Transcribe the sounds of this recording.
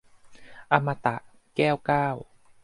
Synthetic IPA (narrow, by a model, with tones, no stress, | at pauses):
ʔa˧ma˧t̪a˨˩ʔ | kɛː˥˩wkaː˥˩w